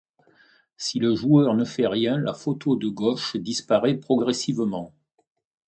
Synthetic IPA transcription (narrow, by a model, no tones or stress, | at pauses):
siləʒuœʁnəfɛʁjɛ̃la̰fot̪ʰod̪əɡɔʃd̪ispaʁɛpχɔɡʁɛsivmɑ̃